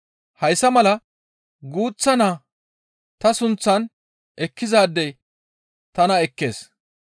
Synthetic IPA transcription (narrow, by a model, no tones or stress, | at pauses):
hɐjsːɐmɐlɐ | ɡuːt͡sːɐnaː | t̪ɐsʊnt͡sːɐn | ʔɛkːɪzaːd̪ːɛj | t̪ɐnɐɛkːe̞̰ːs